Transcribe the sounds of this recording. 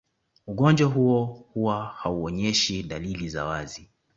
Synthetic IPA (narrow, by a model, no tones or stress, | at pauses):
uɠɔnd͡ʒwaɦuɔhuwahauɔɲɛʃiɗaliliza̰wazi